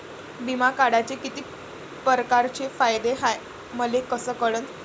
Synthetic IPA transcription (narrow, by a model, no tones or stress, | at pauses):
bimakaɽat͡ɕekit̪iː | pəɾkaɾt͡ɕefajd̪eɦaj | məlekəsəːkəɽən